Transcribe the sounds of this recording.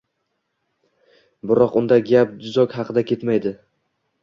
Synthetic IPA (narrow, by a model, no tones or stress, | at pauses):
bɪɾɒqʊnd̪aɡʲap̚d̪ʊzɒkʲhɑqʰɨd̪akʲʰe̞t̪majd̪ɪ